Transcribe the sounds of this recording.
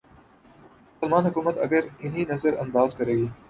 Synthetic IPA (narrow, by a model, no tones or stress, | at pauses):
lmaːnɦʊkuːmət̪ɐ̰ɡəɾɪn̤inɐzəɾɐ̰̃nd̪aːzkɐɾeːɡiː